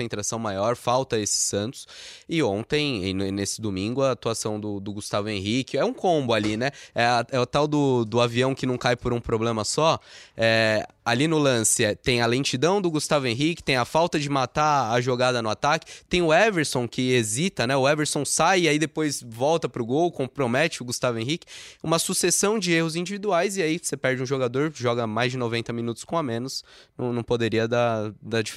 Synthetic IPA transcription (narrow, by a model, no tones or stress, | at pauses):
ẽnt̪ɾasɐ̃w̃majɔɾfawt̪ɐesɪ̥sɐ̃nt̪ʊ̥sɪõnt̪ẽj̃ɪnnesɪ̥d̪omĩŋɡʊɐːt̪uasɐ̃w̃d̪ʊd̪ʊɡust̪avʊẽɦikɪɛũkʰõmbʊalinɛɛɐɛʊt̪awd̪ʊd̪ʊaviɐ̃w̃kɪnɐ̃w̃kajpoɾũpɾoblẽmɐsɔɛ | alinʊlɐ̃sɪɛt̪ẽj̃ɐlẽt͡ʃid̪ɐ̃w̃d̪ʊɡust̪avʊẽɦikɪ̥t̪ẽj̃ɐfawt̪ɐd͡ʒɪmat̪aaʒoɡad̪ɐnʊat̪akɪ̥t̪ẽj̃ʊɛveɾsõw̃kɪezit̪ɐnɛʊɛveɾsõsajɪaid̪epojsvɔwt̪ɐpɾʊɡowkõpɾomɛt͡ʃɪʊɡust̪avẽɦikɪ̥ũmɐsusesɐ̃w̃d͡ʒɪehʊzĩnd͡ʒivid̪uajzɪaisepɛɾd͡ʒɪũʒoɡad̪oɾʒɔɡɐmajzd͡ʒɪnovẽnt̪ɐmĩnut̪ʊ̥skõamẽnʊsnɐ̃w̃nɐ̃w̃pod̪eɾiɐd̪ad̪ad͡ʒif